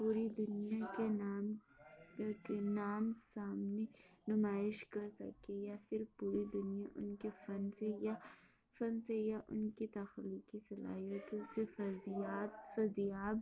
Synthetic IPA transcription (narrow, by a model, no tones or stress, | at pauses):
puːɾid̪ʊnijakenaːm | kenaːmsaːmnenʊmaːɪʃkɐɾsɐ̰kejafʰɪɾpuːɾid̪ʊnijaʔʊ̰nkefɐnseja | fɐnsejaʔʊ̰nkit̪ɐxlːukisɐla̰ːiot̪oʊsefzaːt̪fɐzijaːb